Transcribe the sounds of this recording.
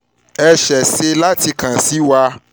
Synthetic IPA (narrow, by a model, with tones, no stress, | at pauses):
ɛ˧ʃɛ˨se˧la˦ti˧kã˨si˨˦wa˧